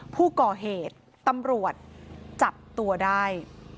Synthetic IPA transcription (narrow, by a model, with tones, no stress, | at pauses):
pʰuː˥˩kɔː˨˩ɦeː˨˩t̪ːa˧mɾu˨˩ət̪̚t͡ɕa˨˩p̚t̪u˧ɐdaː˥˩j